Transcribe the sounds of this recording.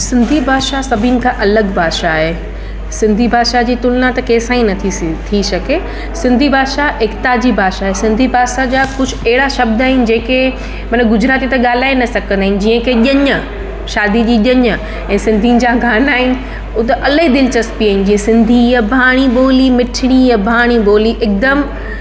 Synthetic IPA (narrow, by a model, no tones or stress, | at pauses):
sɪ̃nd̪ʱibʱaːʃasɐbʱinɪ̆kʰãʔɐləɡbʱaːʃaːɦeː | sɪ̃nd̪ʱibʱaːʃad͡ʑiːt̪ʊlnat̪ɐkeːsãːĩnɐt̪ʰit̪ʰiʃɐke | sɪ̃nd̪ʱibʱaːʃaʔɪkt̪ad͡ʑibʱaːʃaːɦesɪ̃nd̪ʱibʱaːʃad͡ʑaːkʊd͡ʑʱʊɛɦɪɽaʃɐb̚d̪aːɦɪnɪ̆d͡ʑeːke | mɐnəɡʊd͡ʑɾaːt̪it̪ɐɠaːl̤aːenɐsɐkə̃nd̪aːɪn̆d͡ʑiːə̃keʄɐɲə | ʃaːd̪id͡ʑiːʄɐɲə | ɛ̃ːsɪ̃nd̪ʱiʊ̃n̆d͡ʑaːɡʱaːnaːɦɪnɪ̆ | ʊt̪eʔɐləɦid̪ɪlɪt͡ɕɐspiaːɪn̆d͡ʑiə̃sɪ̃nd̪ʱijabʱaːɽ̃iɓoːlimɪʈʰɪɽ̃ijɐbʱaːɽ̃iɓoːliʔɪk̚d̪əm